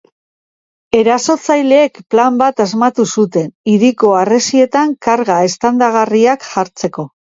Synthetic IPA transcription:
e̞ɾaso̞t͡sajle̞ːkplambat̪azmat̪usut̪e̞niɾiko̞are̞sie̞t̪aŋkaɾɣae̞st̪and̪aɣ̞ariakʝaɾt͡se̞ko̞

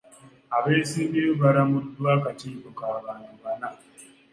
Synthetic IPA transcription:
abesibiobaɾamʊdʊwakat͡ʃibʊkaːbanabana

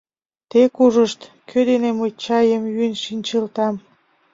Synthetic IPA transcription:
t̪ekuʒəʃt̪ | kʰød̪enemujt͡ɕɑjəmjynʃinʲt͡ɕəlt̪ɑm

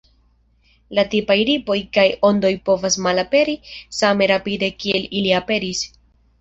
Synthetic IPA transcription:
latipajɾipo̞jkajo̞ndo̞jpo̞vasmalape̞ɾisame̞ɾapide̞kie̞liliape̞ɾis

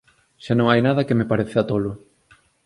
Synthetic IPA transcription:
ʃanõŋajnaðɐkemepaɾeθat̪olʊ

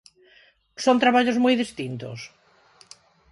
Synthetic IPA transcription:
sont̪ɾaβaʎozmojðist̪int̪o̰s

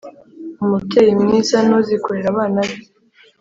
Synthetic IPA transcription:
umutejimnisanozikoɾeɾaβaːnaβe

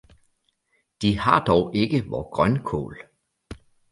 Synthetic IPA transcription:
d̥ihɑ̈d̥ɒʊʔe̝ɡ̥əʋɒːɡ̥ʁɶnkʰɔ̰ːl

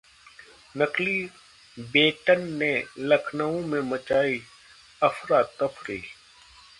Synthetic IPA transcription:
nəkli | beːʈənːeləkʰnəõmẽmət͡ʃaːi | əfʰɾaːt̪ːəpʰɾiː

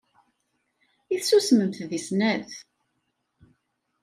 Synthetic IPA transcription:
iθsusməmθðisnæð

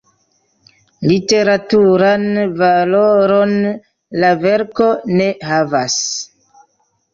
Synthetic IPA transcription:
lite̞ɾatuɾanvaloɾon | lave̞ɾko̞ne̞havas

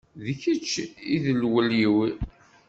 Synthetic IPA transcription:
ðəçət͡ʃːiðəlwəljiwi

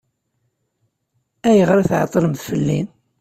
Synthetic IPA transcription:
æjəʁɾæθʕɑ̰t̪ˤːɾəmθfəlːin

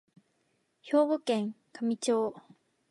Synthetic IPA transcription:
çoːbokẽŋ | kʰamit͡ɕoː

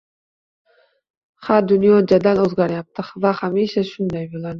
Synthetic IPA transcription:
haɾd̪ʊnjɒd͡ʒad̪alɵzɡʲaɾjap̚t̪ʰɪχvahamiʃaʃʊnd̪ajbolˠad̪ɪ

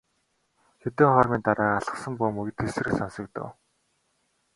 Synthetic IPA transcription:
xet̪eːŋχɔrmiːnt̪aɾaːaɮə̥̆χsə̆mpʊːmɵɣt̪ʰːesɘ̆rɘ̆ksansə̆k̚t̪o̰w

